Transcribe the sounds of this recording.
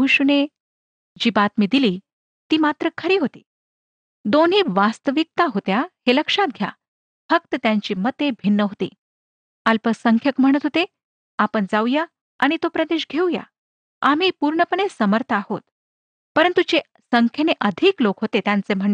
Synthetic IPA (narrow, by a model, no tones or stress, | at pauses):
uɕune | d͡ʑiːbat̪miːd̪iliː | t̪iːmat̪ɾəkʰəɾiːɦot̪i̥̰ː | d̪onɦiːʋast̪əʋik̚t̪aɦot̪jaheləkʂat̪̚ɡʱja̰ | fək̚t̪ət̪jaɲt͡ɕiːmət̪ebʱinːəɦot̪ḭː | alpəsəŋkʰjəkm̤əɽ̃ət̪ɦot̪e | apəɳd͡zawja | aɽ̃it̪opɾəd̪eɕɡʱeuja̰ | am̤iːpuɾɳəpəɳesəməɾt̪ʰahot̪ | pəɾənt̪ud͡ʑe | səŋkʰjəneʔəd̪ʱiklokɦot̪et̪jãnt͡sem̤əɳ